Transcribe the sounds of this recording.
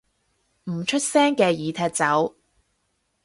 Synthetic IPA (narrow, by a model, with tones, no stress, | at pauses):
m̩˨˩t͡ʃʰɵ˥t̚sɛː˥ŋkɛː˧jiː˨˧t̪ʰɛː˧t̚t͡sɐ˨˥w